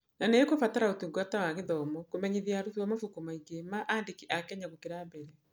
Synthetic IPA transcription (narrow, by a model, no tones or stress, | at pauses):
naneːkofataɾaotuŋɡoatawaɣeðɔmɔkomɛɲeðiaɾuðiwamafukumaiɡemaʔaːndekiʔakɛɲaɣokeɾabɛɾɛ